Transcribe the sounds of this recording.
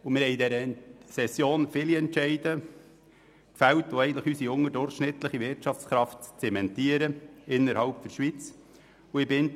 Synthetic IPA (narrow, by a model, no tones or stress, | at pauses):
ʊmɪɾhɛɪidɛɾəsɛsjoːnfɪːliɛntt͡ʃɛɪd̥ə | kfæltoɛɪɡət̪ləχysiʊŋːədʊɾχʃnɪt̪ləχivɪrtʃɑft͡skɾɑftt͡sɛmɛntiəɾəɪnːəɾhɑʊpfɔɾʃʋit͡s | ʊɪbɪn